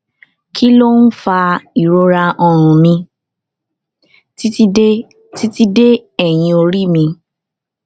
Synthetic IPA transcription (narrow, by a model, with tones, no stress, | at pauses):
kʰi˦lo˦n̩˦fa˧i˨ɾo˧ɾa˧ʔɔ˧ɾ̃ũ˨mĩ˧ | ti˦i˦e˦ | ti˦ti˦de˦ɛ˦˨j̃ĩ˧o˧ɾi˦˨mĩ˧